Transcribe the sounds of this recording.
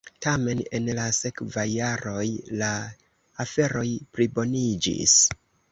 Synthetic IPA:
tame̞ne̞nlase̞kvajːaɾo̞jlaː | fe̞ɾo̞jpɾibo̞nid͡ʒḭs

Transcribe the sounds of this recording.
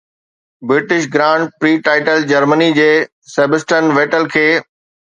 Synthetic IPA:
bɾɪʈɪʃɡɾãːɳɖ̚pɾiːʈaːɪʈəld͡ʑɐɾmənid͡ʑeː | seːbəsʈənʋeːʈəlkʰeː

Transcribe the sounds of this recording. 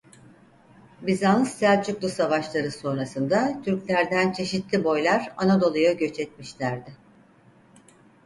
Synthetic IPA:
bizanɯst̪ælʲt͡ʃʰuklˠusavaʃlˠaɾɯso̞nɾasɯnd̪at̪ʰyɾclʲæɾd̪ænt͡ʃʰe̞ʃit̪lʲibo̞jlʲˠaɾanad̪o̞lˠujaɟø̞t͡ʃɛt̪̚miʃlʲæɾd̪ɪ

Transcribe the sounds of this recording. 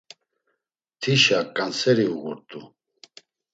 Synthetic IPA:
t̪ʰiʃakʼansɛɾiuɣṵɾt̪ʼu

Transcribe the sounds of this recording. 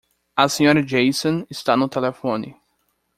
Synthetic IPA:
ɐsẽɲɔɾɐd͡ʒejsõɪst̪anʊt̪elefõnɪ

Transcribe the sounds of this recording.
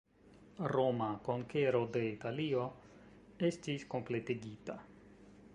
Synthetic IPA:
ɾo̞mako̞ŋke̞ɾo̞de̞italio̞ | e̞stisko̞mple̞teɡita

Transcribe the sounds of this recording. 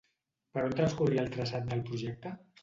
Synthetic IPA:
pəɾont̪ɾənskuriəlˠt̪ɾəsat̪̚d̪əlˠpɾuʒɛk̚t̪ə

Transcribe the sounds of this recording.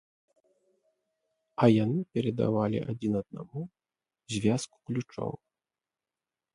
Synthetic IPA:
ɐjanɨpʲɛɾɛd̪a̰valʲḭʔa̰d͡zʲinɐd̪̚na̰mu | zʲvʲasku̥klʲut͡ʂɔ̰w

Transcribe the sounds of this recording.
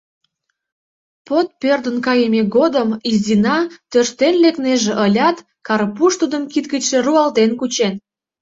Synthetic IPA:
pot̪̚pørd̪ənkɑjəmʲeɡod̪əmizinɑt̪ørʃt̪enlekneʒĕʔəlʲɑt̪ | kɑɾpuʃt̪ud̪ə̆mkit̪̚ɡət̪ʃe̽ruɑld̪enkut͡ɕen

